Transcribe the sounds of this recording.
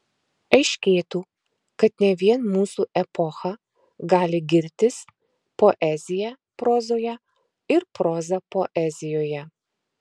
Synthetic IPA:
ɐɪʃʲkʲeːt̪uː | kɐt̪nʲɛʋʲiɛnmuːsuːʔɛpɔxɐ | ɡɑːlʲɪɡʲɪɾʲt̪ʲɪs | poːʔɛzʲɪjɛ | pɾɔːzoːjɛ | ɪɾpɾɔːzɐpoːʔɛzʲɪjoːjɛ

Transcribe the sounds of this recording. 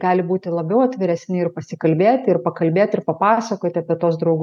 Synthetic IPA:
ɡ̥ɑːlʲɪbuːt̪ʲɪlˠɐbʲɛʊɐt̪ʲʋʲɪɾʲɛsʲnʲɪɪrpɐsʲɪkɐlʲbʲeːt̪ʲɪrpɐkɐlʲbʲeːt̪ʲɪɾpɐpɑːsɐkoːt̪ʲɪɐpʲiɛt̪oːs̬d̪ɾɒʊɡ

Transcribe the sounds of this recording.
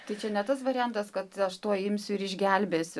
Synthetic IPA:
t̪ɐɪt͡ʃʲɛnʲɛt̪ɐsʋɐɾʲɪjænt̪ɐskɐt̪ɐʃt̪oɔɪmʲsʲʊɪɾɪʒʲɡʲælʲbʲeːsʲʊ

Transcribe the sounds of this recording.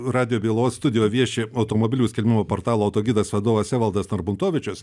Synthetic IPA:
ɾɑːd̪ʲɪjoːbʲeːlˠoːsst̪ʊd̪ʲɪjoːjʋʲiɛʃʲeɐʊt̪oːmobʲɪlʲuːsʲkʲɛlʲmʲɪmoːpoːɾt̪ɑːlˠoːɐʊt̪oːɡʲid̪ɐsʋʲɐd̪oːʋɐsʲæːʋɐlˠd̪ɐsnɐɾbʊnt̪oːʋʲɪt͡ʃʲʊs

